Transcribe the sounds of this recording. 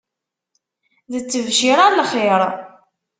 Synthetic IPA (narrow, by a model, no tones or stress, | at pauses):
ðət͡sːəvʃiɾˤalχeɾˤ